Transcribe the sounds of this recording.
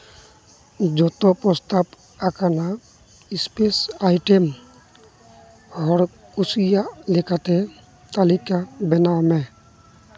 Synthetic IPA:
d͡ʒɔt̪ɔpɾɔst̪ap | akana | ispesajʈem | ɔɾ | kusijaʔlekat̪ɛ | t̪alikabɛnamɛ

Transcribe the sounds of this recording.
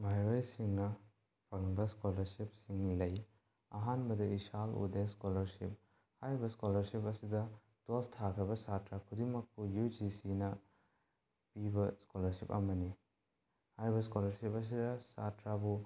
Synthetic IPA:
majɾojsiŋnɐ | pʰɐŋbɐskolɐɾsip̚siŋlɐj | ɐɦanbɐdɐisalṵdeskolɐɾsḭp̚ | haɾibɐskolɐɾsipɐsidɐ | doltʰakʰɾibɐsatɾakʰudimɐk̚pujud͡ʒisinɐ | pibɐskolɐɾsipɐ̰mɐni | haɾibɐskolɐɾsipɐs̬idɐsa̰tɾabu

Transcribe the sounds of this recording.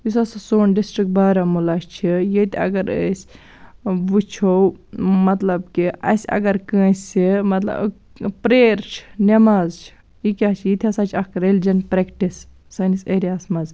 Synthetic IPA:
jis̬ɐsɐsoːnɖisʈɾik̚baːɾɐmulɐʃt͡ʃʰijet̪iɐ̰ɡɐɾəsʲ | ʋut͡ʃʰowmɐt̪lɐbkiɐ̰sʲɐ̰ɡɐɾkə̃ːsʲimɐt̪lɐ̰b | pɾeːɾt͡ʃʰi̥nɐmaːzt͡ʃʰi̥ | jikʲat͡ʃʰijit̪ʰɐsaːt͡ʃʰɐkɾelid͡ʒɐnpɾekʈis | sɐniseɾijaːsmɐz

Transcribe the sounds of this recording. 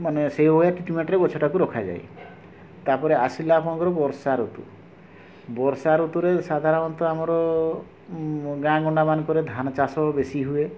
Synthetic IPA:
maneseɦojaʈiʈimeʈɾebɔt͡ʃʰɔʈakuɾɔkʰad͡ʒa̰j | t̪aɾpɔɾeasilapʰɔnɔkɔɾɔbɔɾsaɾut̪ṵ | bɔɾsaɾut̪uɾesad̪ʱaɾɔɾɔnt̪ɔamɔɾɔ | ɡãɡɔɳɖabankɔɾed̪ʱanɔt͡ʃasɔbesiɦue

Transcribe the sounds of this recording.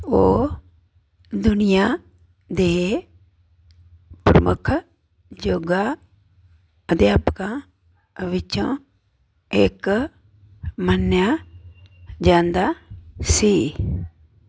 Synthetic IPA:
oː | d̪ʊnɪjaː | d̪eː | pɾəmʊ̰kʰ | d͡ʒoːɡaː | əd̪jaːpkãː | ʋɪt͡ʃõː | ɪk | mənjaː | d͡ʒãːnd̪aːsiː

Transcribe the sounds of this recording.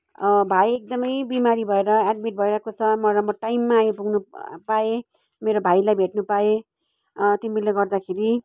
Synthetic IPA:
bʱajek̚d̪ʌmʌjbimaɾibʱʌeɾʌad̪̚miʈ̚bʱʌeɾʌkot͡sʰʌmʌɾamʌʈajmːaːjopuɡnupae | meɾobʱajlajbʱeʈnupae | t̪ibilːʌɡʌrd̪akʰeɾi

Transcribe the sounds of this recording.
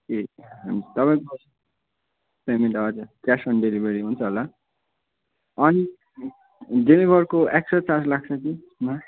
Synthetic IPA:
eɦʌmt̪ʌpaj̃ko | pemeʈʌʌd͡zʌkjasʌnɖeɾibeɾiɦunt͡sʰʌɦola | ʌni | ɖemibʱʌɾkoek̚sʌt͡saslak̚t͡sʰʌki | ma

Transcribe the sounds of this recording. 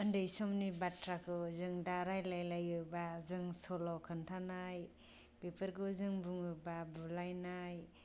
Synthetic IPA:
ɯndɯjsɔmnibatɾakʰɯzɯŋdaɾajlajlajɯbazɯŋsɔlɔkʰɯntʰanaj | bepʰɯɾkɯzɯŋbuŋɯbabulajnaj

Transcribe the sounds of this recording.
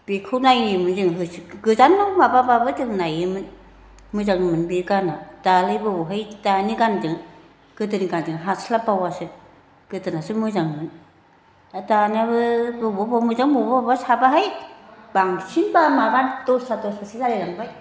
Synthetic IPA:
bikʰɯnajɯmɯnzɯŋɦɯsɡɯzanːɔmabababɯtɯŋnajɯmɯn | mɯzaŋmɯnbikanatalɯjbɯbɔɦɯjtanikand͡ʒɯŋ | ɡɯtɯnikand͡ʒɯŋɦaslabawasɯ | ɡ̥ɯtɯnasɯmɯzaŋmɯn | atanabɯbɯbɔbɔmɯzaŋbubbasabaɦajb̥aŋsinbamaɡantosatosbasilalelaŋbaj

